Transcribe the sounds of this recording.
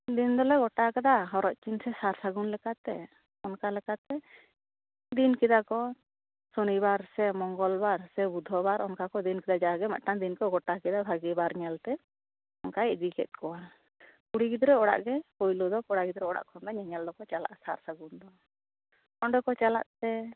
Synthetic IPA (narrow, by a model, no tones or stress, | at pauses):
d̪ind̪ɔlɛɡɔʈakɛd̪aɦɔɾɔʔ̪̚t͡ʃinsɛsaɾsaɡunlɛkat̪ɛ | ɔnkalɛkat̪ɛ | d̪inkid̪akɔ | sonibaɾsɛmɔŋɡɔlbaɾsɛbud̪ʱɔbaɾɔnkakɔd̪inkɛd̪ad͡ʒaɡɛma̰ʔʈand̪inkɔɡɔʈakɛd̪abʱaɡibaɾɲɛlt̪ɛ | ɔnkaɛʔd͡ʒikɛ̰t̪̚kɔa | kuɽiɡid̪ɾɛɔɽa̰ʔɡɛpɔjlɔd̪ɔkɔɽaɡid̪ɾɛɔɽa̰ʔkʰɔnd̪ɔɲɛɲɛld̪ɔkɔt͡ʃala̰ʔsaɾsaɡund̪ɔ | ɔɳɖɔkɔt͡ʃala̰ʔt̪ɛ